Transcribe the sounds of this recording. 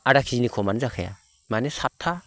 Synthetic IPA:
aɾakʰizinikʰɔmanzakʰaja̰ | manesap̚tʰːa

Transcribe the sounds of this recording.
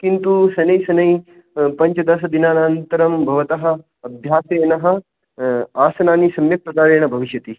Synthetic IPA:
kint̪usɐnɐjsɐnɐj | pɐɲt͡ʃɐd̪ɐs̬ɐd̪inaːnaːnt̪ɐɾɐmbʱɐʋɐt̪ɐɦɐ̆ | ɐbʱjaːsɐjnɐɦɐ̆ | aːsɐnaːnisɐmjɐp̚ɾɐd̪aːɾeːɳɐbʱɐʋiʃjɐt̪i

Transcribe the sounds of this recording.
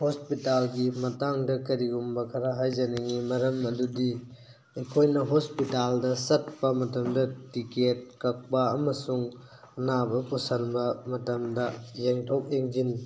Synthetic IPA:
hospitalɡimɐtaŋdɐkɐɾiɡumbɐkʰɐɾaɦajzɐnɐŋimɐɾɐmɐdudi | ekʰojnɐɦospitaldɐsɐt̚pɐmɐtɐmdɐtiket̚kɐk̚pɐɐmɐsuŋ | ɐnabɐkusɐnbɐmɐtɐmdɐjeŋtʰok̚eŋd͡ʒin

